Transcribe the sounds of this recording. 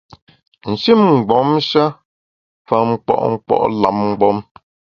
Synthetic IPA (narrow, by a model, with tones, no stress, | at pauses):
n̩˨ʃi˦˨mŋ̩˨ɡ͡bɔ˨˦mʃa˦ | fa˨ŋ͡m̩˨k͡pɔ̰˦˨ʔŋ͡m̩˨k͡pɔ̰˦ʔla˨˦m̚ŋ̩˨ɡ͡bɔ˦m